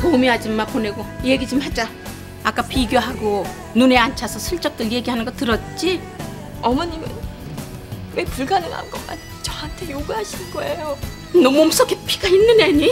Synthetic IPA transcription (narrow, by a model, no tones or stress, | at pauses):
toumiɦad͡ʑimːaɭpone̞ɡojeɡid͡ʑɯmhad͡ʑa | ak͈apʰiɡjoɦaɡo | nune̞ant͡ɕʰasʰʌsʰɯɭt͡ɕ͈ʌk̚t͈ɯɭje̞ɡiɦanɯnɡʌtɯɾʌt̚t͡ɕ͈i | ʌmʌɲimḛn | we̞puɭɡanɯna̰nɡʌma̰n | t͡ɕʌɦantʰe̞joɡuɦaɕʰinɡʌejo | nʌmuoms͈ʰʌkʰepʰi̥ɡ̥ainːɯneɲi